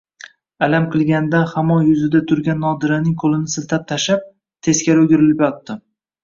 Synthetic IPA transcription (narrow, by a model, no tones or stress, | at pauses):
alamqʰɨlˠɡʲand̪anhamɒnjʊzɪd̪at̪ʰʊɾɡʲanːɒd̪ɪɾanɪŋkʰolɪnɪsɪlt̪ʰap̚t̪ʰaʃap̚ | t̪ʰe̞skʲaɾɵɡʲɪɾɪlɪpjɒt̪ːɪ